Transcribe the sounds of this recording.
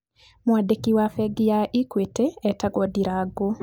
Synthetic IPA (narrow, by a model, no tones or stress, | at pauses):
mwadekiwafɛɡijaʔikweteɛtaɡɔdiɾaɡo